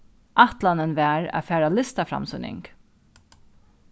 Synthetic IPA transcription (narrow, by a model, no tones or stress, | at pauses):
ʔat̪lanənvæːɹa̰fæːɾalɪst̪afɾa̰msʏnɪ̰ŋk